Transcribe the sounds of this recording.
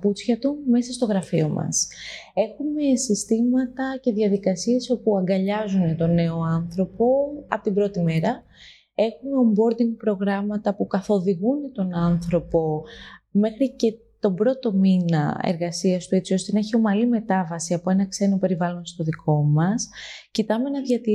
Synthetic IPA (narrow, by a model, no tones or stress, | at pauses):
put͡sçɐt̪ume̞sɐst̪o̞ɣɾɐfio̞mɐ̰s | e̞xume̞sist̪imɐt̪ɐce̞ðʝɐðikɐsie̞so̞puɐŋɡɐʎɐzune̞t̪o̞ne̞o̞ɐnθɾo̞po̞ɐ̰po̞t̪imbɾo̞t̪ime̞ɾɐ | e̞xumeombo̞ɾd̪iŋɡ̚pɾo̞ɣɾɐmɐt̪ɐpukɐθo̞ðiɣunet̪o̞nɐnθɾo̞po̞me̞xɾice̞ | t̪o̞bɾo̞t̪o̞minɐ̰ḛɾɣɐsiɐst̪ue̞t͡sio̞st̪e̞nɐeçio̞mɐlime̞t̪ɐvɐsiɐpo̞enɐkse̞nope̞ɾivɐlo̞nst̪o̞ðikʰo̞mɐscit̪ɐme̞nɐðʝɐt̪i